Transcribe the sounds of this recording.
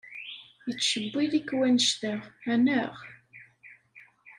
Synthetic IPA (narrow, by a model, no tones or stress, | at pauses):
jət͡sːʃəbːiðikwænəʃt̪æʁænəʁ